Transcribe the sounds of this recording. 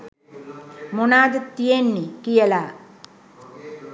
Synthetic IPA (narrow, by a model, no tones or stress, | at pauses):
monaːd̪t̪ːijenːikijelaː